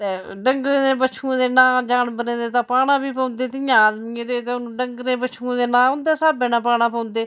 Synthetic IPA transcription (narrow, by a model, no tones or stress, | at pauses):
t̪eː | ɖəŋɡɾẽːd̪eːbət͡ʃʰũd̪eːnãːd͡ʒaːnbənẽːd̪eːt̪ãːpaːnãːbiːpãːnd̪eːt̪ɪjãːd̪miːẽːt̪eːt̪eːʊñːɖəŋɡɾẽːbət͡ʃʰũːd̪eːnãːʊnd̪eːsaːbeːnãːpaːnãːpɔ̃ːnd̪eː